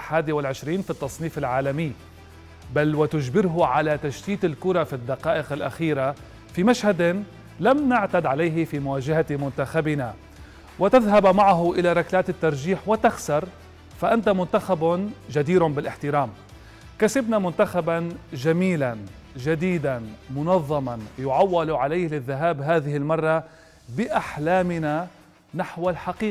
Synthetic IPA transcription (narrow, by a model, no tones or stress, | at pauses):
ħaːd̪iwɪlʕɪʃɾiːnfit̪ːɑsˤniːfɪlʕaːlamɪjː | balwɪt̪ʊʒbɪɾɦʊʕalat̪aʃt̪iːt̪ɪlkʊɾˤɑfid̪ːaqɑːʔɪqɪlʔa̰xiːɾa | fimaʃhad̪ | lamnaʕt̪ad̪ʕalajɦɪfimʊwaːʒaɦamʊnt̪axabɪna | wɪt̪aðɦabmaʕaɦʊʔɪlaɾˤɑklaːt̪ɪt̪ːɑɾˤʒiːħwɪt̪axsɑɾˤ | faʔant̪amʊnt̪axabd͡ʒad̪iːɾʊbɪlʔɪħt̪ɪɾaːm | kasɪbnamʊnt̪axabanʒamiːlan | ʒad̪iːd̪anmʊnɑðˤːɑmanjʊʕawːɪlʕalajhlɪðːaɦaːbɦaːðɪhɪlmɑrˤːɑ | bɪʔaħlaːmɪna | naħwalħaqiː